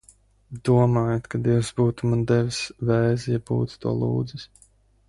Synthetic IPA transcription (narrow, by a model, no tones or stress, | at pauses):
d̪uɔmaːjat̪kad̪iɛwsbuːt̪umand̪ɛvsvɛːzjɛbṵːt̪t̪ṵɔlˠṵːd̪zis